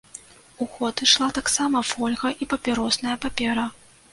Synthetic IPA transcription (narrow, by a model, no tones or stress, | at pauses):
uxɔt̪ɨʂlˠat̪aksamɐfɔlʲɣɐʔipɐpʲɛɾɔsnɐjɐpapʲɛɾɐ